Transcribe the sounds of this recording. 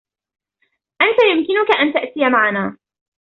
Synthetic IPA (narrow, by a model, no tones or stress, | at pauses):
ʔant̪ajʊmkɪnʊkaʔant̪aʔt̪ɪjamaʕanaː